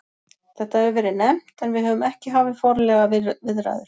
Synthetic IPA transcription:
θɛht̪aɛɾvɛːɾɪnɛm̥t̪ɛnvɪðɦœːvʏmɛhcɪɦaːvɪðfɔɾlɛɣavɪðɾa̰ːðʏɾ̥

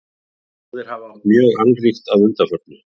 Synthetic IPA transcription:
mjœːɣankɾixt̪aðʏlt̪afœt̪̚nʏ

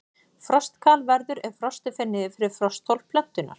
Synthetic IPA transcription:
fɾɔst̪kʰaːlvɛɾðʏɾɛɾ̥fɾɔst̪ɪfɪnːɪðɪfɪɾɪɾ̥fɾɔst̪ʰːɔwl̥pʰlœn̥t̪ʏnːa̰ɾ̥

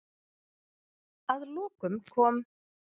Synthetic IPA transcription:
aðlɔːkʏmkʰɔːm

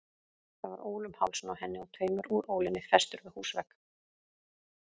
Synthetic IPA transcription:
θavaɾoːwlʏmha̰wlsnawhɛnːɪawt̪ʰœːɥmʏɾuːɾoːwlɪnːɪfɛst̪ʏɾvɪðhuːsvɛk

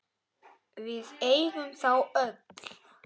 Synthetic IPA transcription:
vɪðejðʏmθawœt̪l̥

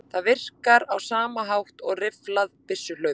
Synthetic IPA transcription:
θaðvɪr̥kaɾawsaːmaɦawht̪ɔɣrɪflaðpɪsːʏlœːɥ

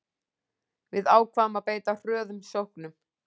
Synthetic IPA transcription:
vɪðaːwkʰvaːmapeːjt̪ar̥œːðʏmsowhknʏm

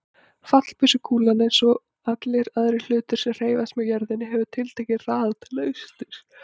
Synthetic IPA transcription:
fat̪l̥pʏsʏkʰuːlanejnsɔ | at̪leɾaðɾɪl̥ʏːt̪ʏɾ̥sɛmr̥eːjvast̪mɛjaɾðɪnːɪɦɛvʏt̪ʰɪlt̪ʰɛhcɪraːðat̪ʰɪlœʏst̪ʏɾ̥

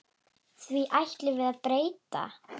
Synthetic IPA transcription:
θviʔajht̪lɪvɪðaðpɾeːjt̪a̰

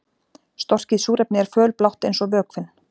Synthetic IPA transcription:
st̪ɔr̥cɪðsuːɾɛp̚nɪɛɾ̥fœːlplawht̪ejnsɔvœːkfɪnː

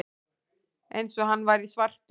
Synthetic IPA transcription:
ejnsɔɦanːvajɾisvar̥t̪

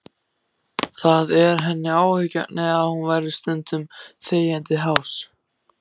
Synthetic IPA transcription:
θaðɛɾ̥ɦɛnːɪaːwhʏca̰nɛɣaðhunvajɾðɪ̥st̪ʏnt̪ʏmθeːjant̪ɪɦaws

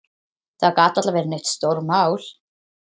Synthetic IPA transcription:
θaðkaːt̪ːat̪lavɛːɾɪnœɥht̪st̪owɾmawl̥

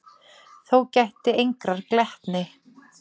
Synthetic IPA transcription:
θowcajht̪ɪejŋkɾaɾ̥klɛht̪nɪ

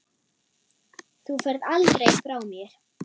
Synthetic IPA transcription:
θufɛɾðaltɾejfɾaːwmjɛɾ̥

